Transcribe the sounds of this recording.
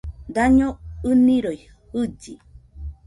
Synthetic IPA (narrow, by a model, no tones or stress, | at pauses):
d̪aɲoɨniɾoj | hɨd͡ʒi